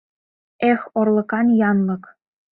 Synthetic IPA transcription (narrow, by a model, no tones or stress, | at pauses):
exorlˠɤ̆kɑnjɑnlɤ̆k